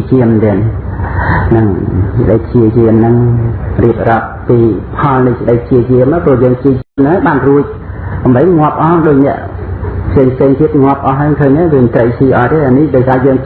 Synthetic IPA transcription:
t͡ɕiəmːnt̪ɛːn | nɨŋsɗək̚ʰt͡ɕiət͡ɕiəmnɨŋriəp̚rɑəp̚piːpʰɑlnɨjsɗək̚ʰt͡ɕiət͡ɕiəmaːjprʊəjəːŋpʰt͡ɕiət͡ɕiəmnɨŋaːjɓaːnruəc̚ | ɓŏmɓəjŋŏəp̚ʔɑɗoːc̚nɛ̆əʔ | pʰseːŋpʰseːŋt̪iət̪̚ŋŏəp̚ʔɑɦakʰəːɲnakoːmət̪rəjt͡ɕiːʔɑːt̪eːʔanihɗaːjsaːjəːŋ

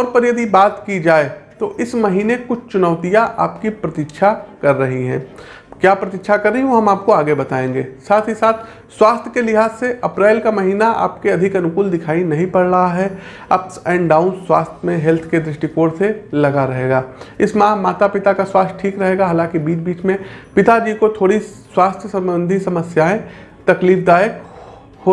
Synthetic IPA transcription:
ɔːɾpɐɾjɐd̪ibaːt̪kid͡ʒaːet̪oʔɪsmɐɦiːnekʊt͡ʃʰt͡ʃʊnəʊt̪ijaʔa̰ːpkipɾɐt̪ɪkʃʰakɐɾːɐɦiɦɛ̰̃ː | kjaːpɾɐt̪ɪkʃʰakɐɾːəɦioɦɐmaːp̚koaːɡebɐt̪aːẽːŋɡeːsaːt̪ʰisaːt̪ʰ | swaːst̪ʰjkelɪɦaːzseʔɐpɾaːlkamɐɦiːnaʔa̰ːpkeɐd̪ʱɪkɐnʊkʊːld̪ɪkʰaːinɐɦĩpɐɽɾɐɦaɦɛ | ɐpsɛ̃ːɳɖaːʊnswaːst̪ʰmẽɦɛlt̪ʰked̪ɾɪʃʈikoːɽselɐɡaɾɐɦeːɡaːɪsmãmaːt̪apɪt̪akaswaːst̪ʰʈʰiːkɾɐɦeːɡaɦaːlãːkibiːt͡ʃbiːt͡ʃmẽpɪt̪ad͡ʒiːkot̪ʰoːɽiswaːst̪ʰjəsɐmbə̃nd̪ʱisɐməsjaːẽ | t̪ɐkliːfd̪aːjək | ho

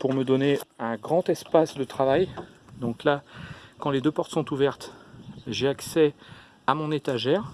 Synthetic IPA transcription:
puʁməd̪ɔneɛ̃ɡʁɑ̃t̪ɛspasd̪ət̪χavaj | d̪ɔ̃klakɑ̃led̪øpɔʁt̪sɔ̃t̪uvɛʁt̪ʒeaksɛ | amɔ̃net̪aʒɛːʁ

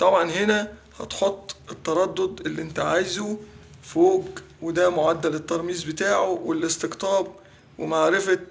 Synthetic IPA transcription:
t̪ˤɑbʕɑnɦenæ | hɑ̰t̪ħot̪ˤːʔet̪ːɑɾˤɑd̪ːod̪elːiʔent̪æʕajzo | foːɡwed̪æmoʕad̪ːælet̪ːɑɾˤmiːzbet̪aːʕowelʔest̪eɡt̪ˤɑːb̚ | wemaʕɾefæ

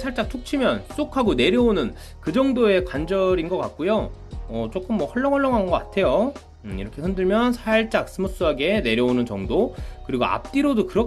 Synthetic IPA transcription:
sʰaɭt͡ɕ͈ak̚t͡ɕʰok̚t͡ɕʰimjʌns͈okʰaɡone̞ɾjʌonɯn | kɯd͡ʑʌŋdoe̞kwand͡ʑʌɾinɡʌk͈ak̚k͈ujo | ʌt͡ɕ͈ok͈ɯmːwʌhʌɭːʌŋɦʌɭːʌŋɦanɡʌk͈atʰe̞jo | ḭɾʌkʰe̞hɯndɯɭmjʌnsʰaɭt͡ɕ͈ak̚s͈ʰɯmos͈ɯaɡe̞ne̞ɾjʌonɯnt͡ɕʌŋdokɯɾiɡoa̰p̚t͈iɾodokɯɾʌ

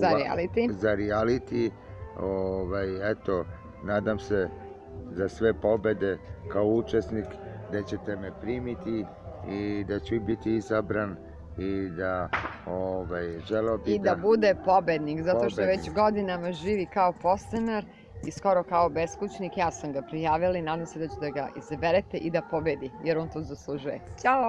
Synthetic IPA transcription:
zaɾia̰lit̪izaɾialit̪i | oʋajɛt̪o̞ | naːd̪amse | zasʋe̞po̞be̞d̪e̞kaout͡ʃesnikd̪at͡ɕet̪emepɾiːmit̪i | id̪at͡ɕubit̪iizabɾan | id̪aoʋajʒelobid̪abud̪epobed̪nikzat̪o̞ʃt̪oʋet͡ɕɡo̞d̪inamaʒiːʋikao̞po̞st̪enaɾ | isko̞ɾo̞kaobeskut͡ɕnikjaːsamɡapɾijaːʋilanaːd̪amsed̪at͡ɕed̪aɡaʔizabeɾet̪eʔid̪apo̞bed̪ijeɾont̪oːzaslˠuʒujet͡ʃao

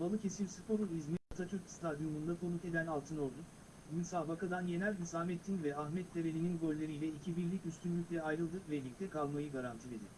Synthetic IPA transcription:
balˠɯcʰe̞silʲsɯpʰo̞ɾunizmiat̪ʰat͡ʃ̪ʰyɾcst̪ʰad̪jomund̪akʰo̞nuk̪e̞d̪ænalˠt̪ʰɯno̞ɾd̪u | mysaːbakad̪anje̞nælʲinsaːmɛt̪ʰːinvɛaxmɛt̪ːevelʲininɡo̞lʲːeɾijlʲɛicʰibiɾlʲicyst̪ʰynlʲycʲlʲɛajɾɯlˠd̪ɯkvɛɾlʲic̚t̪ʰɛkʰalˠmajɯɡaɾant̪ʰilʲed̪ɪ

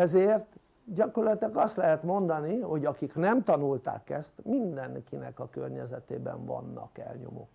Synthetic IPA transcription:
ɛzeːrt̪ | ɟɒkorlɛt̪ɛkɒst̪lɛɦɛt̪mo̞nd̪ɒniho̞ɟɒkiknɛmt̪ɒnult̪a̰ːkɛst̪mind̪ɛŋkinɛkɒkørɲɛzɛt̪eːbɛ̰ɱvɒ̰nːɒ̰kɛ̰lɲo̞̰mo̰ːk

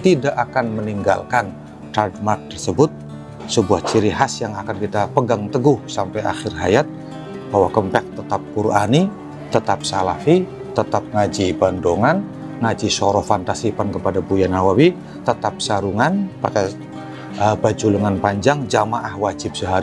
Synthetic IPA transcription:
t̪idaʔakanməniŋɡa̰lkan | t̪ardmark̚t̪ərsəbʊt̪̚ | səbuaht͡ʃiɾiɦasjaŋakankit̪apəɡaŋt̪əɡʊhsampaja̰xɪrɦajat̪̚ | b̥awakəmpɛk̚t̪ət̪apːurani | t̪ət̪ap̚salafi | t̪ət̪ap̚ŋad͡ʒibandoŋan | ŋad͡ʒisoɾɔfant̪asipankəpadabujanawawi | t̪ət̪ap̚saɾuŋanpa̰ka | əbad͡ʒuləŋanpaɲd͡ʒaŋd͡ʒamaʔahwad͡ʒɪb̚səɦaɾi

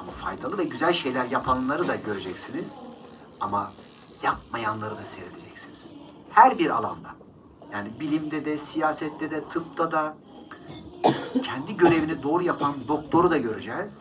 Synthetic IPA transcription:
amafa̰jd̪alˠɯvɛɟyzælʲʃe̞jlʲæɾjapʰanlˠaɾɯd̪aɟø̞ɾed͡ʒɛcsiniz̥ | ama | jap̚majanlˠaɾɯd̪ase̞ɾed̪e̞d͡ʒɛcsiniz̥ | hæɾbiɾa̰lˠa̰nd̪a | jaːnibilʲimd̪ɛd̪ɛsijaːsɛt̪ːɛd̪ɛt̪ʰɯp̚t̪ʰad̪a | cʰɛnd̪iɟø̞ɾe̞vinid̪o̞ːɾujapʰand̪o̞k̚t̪ʰo̞ɾud̪aɟø̞ɾyd͡ʒɛz̥

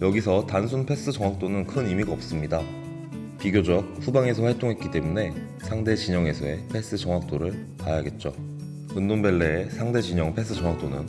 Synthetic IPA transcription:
jʌɡisʰʌtans̬ʰunpʰe̞s͈ɯd͡ʑʌŋwak̚t͈onɯnkʰɯnimiɡaʌp̚s͈ɯmɲida | piɡjod͡ʑʌk̚ɸʰubaŋe̞s̬ʰʌɸwaɭt͈oŋɦe̞t̚k͈it͈e̞mune̞ | sʰaŋde̞t͡ɕiɲʌŋe̞sʰʌepʰe̞s͈ɯt͡ɕʌŋɦwak̚t͈oɾɯɭ | tajaɡe̞t̚t͡ɕ͈o | ɯndonbe̞ɭːeːsʰaŋde̞d͡ʑiɲʌŋpʰe̞s͈ʰɯt͡ɕʌŋwak̚t͈onɯn

